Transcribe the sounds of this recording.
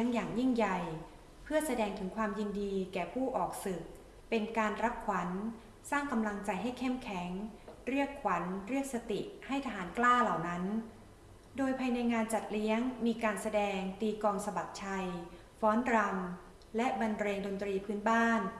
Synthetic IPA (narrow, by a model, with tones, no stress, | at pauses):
ŋjaː˨˩ŋji˥˩ŋja˨˩j | pʰɯ˥˩əsa˧dɛː˧ŋt̪ʰɯ˩˦ŋkʰwaː˧mji˧ndiː˧kɛː˨˩pʰuː˥˩ʔɔː˨˩k̚sɯ˨˩k̚ | pe˧nkaː˧nɾa˦˥p̚kʰwa˩˦n | saː˥˩ŋka˧mla˧ŋt͡ɕa˧jɦa˥˩jkʰe˥˩mkʰɛ˩˦ŋɾi˥˩əkʰːwa˩˦nɾi˥˩ək̚sa˧t̪i˨˩ha˥˩jt̪ʰaː˧ɦaː˩˦nklaː˥˩la˨˩wna˦˥n | doː˧jpʰa˧jna˧jŋaː˧nt͡ɕa˨˩t̪̚li˦˥əŋmiː˧kaː˧nsa˧dɛː˧ŋt̪iː˧kɔː˧ŋsa˧ba˨˩t̪̚t͡ɕʰa˧j | fɔː˦˥nɾa˧m | lɛ˦˥ba˧nɾeː˧ŋdo˧nt̪ɾiː˧pʰɯː˦˥nbaː˥˩n